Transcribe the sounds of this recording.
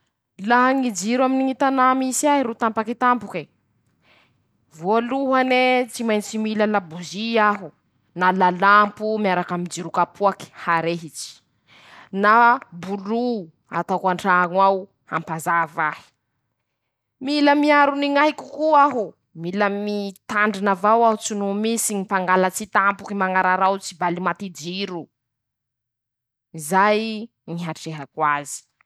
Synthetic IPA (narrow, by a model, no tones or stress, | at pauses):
laɦaŋid͡ʒiɾwaminiŋit̪anamisiaɦiɾot̪ampakit̪ampuki | voluɦanet͡simajnt͡ʃimilalabuziaɦu | nalalampumiaɾakamind͡ʒiɾukapʰuaki̥haɾeɦit͡ʃi̥ | nabulu | a̰t̪akaɳʈ͡ʂaŋwaw | hampazavahi̥ | miləmiaɾuniŋaikukuaɦu | miləmit̪aɳɖ͡ʐinavawaut͡sunumisiɲipaŋɡalat͡sit̪ampukimaŋaɾaɾawt͡sibalimat̪id͡ʒiɾu | izaj | ŋiɦaʈ͡ʂeɦakwazi̥